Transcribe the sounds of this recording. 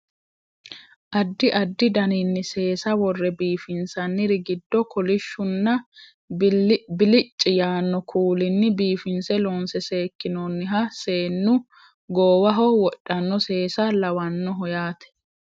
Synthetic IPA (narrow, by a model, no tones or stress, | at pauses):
ʔɐd̪ːɪʔɐd̪ːɪd̪ɐninːɪse̞ːsɐwɔrːɛbiːfɪnsɐnːɪɾɪɡɪd̪ːɔkʰɔlɪʃːʊnːɐ | bɪlɪt͡ʃʼːɪjaːnːɔkʰuːlɪnːɪbiːfɪnsɛloːnsɛse̞ːkːɪnonːɪɦɐseːnːʊ | ɡoːwɐɦɔwɔʔʼːɐnːɔse̞ːsɐlɐwɐnːɔɦɔjaːt̪ɛ̥